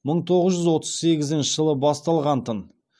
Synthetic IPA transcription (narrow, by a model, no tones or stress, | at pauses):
məɴt̪ʰo̞ʁəzʒʏzwo̞t̪ə̥z̥se̞ɡʲɪzɪnʃɪʒəlˠəbɑst̪ɑlˠʁɑnt̪ən